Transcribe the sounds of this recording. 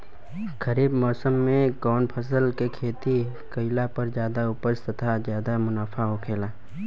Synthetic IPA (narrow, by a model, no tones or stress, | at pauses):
kəɾiːbmɔːsəmːẽɡɔːnpʰəs̬əlkekʰeːt̪i | kəɪlapɐɾzjaːd̪aʊpəst̪ɐt̪ʰazjaːd̪amʊnaːfaɦokʰeːlaː